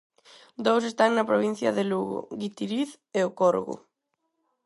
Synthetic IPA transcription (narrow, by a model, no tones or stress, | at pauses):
d̪owsest̪aŋnɐpɾoβ̞in̟θjɐðeluɣo̰ɣit̪iɾiθ | eokoɾɣʊ̰